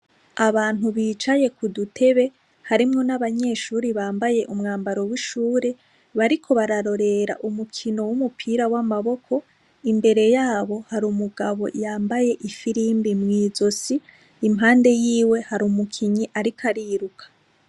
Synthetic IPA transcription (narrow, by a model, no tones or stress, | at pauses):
aβaːn̥huβiːt͡ʃaje̞kudutʰe̞βe̞ | haɾimŋo̞naβaɲe̞ːʃuːɾiβaːmbaje̞ʔumŋaːmbaɾo̞wiʃuːɾe̞ | βaɾikʰo̞βaɾaɾo̞ɾe̞ɾa̰ʔumukʰino̞wumupʰiːɾawamaβo̞kʰo̞ | imbe̞ɾe̞jaːβo̞haɾuːmuɡaβo̞̰jaːmbaje̞ʔifiɾiːmbimŋiːzo̞siː | mɦaːnde̞jiːwe̞haɾuːmukʰiɲiʔaɾikʰaɾiːɾukʰḁ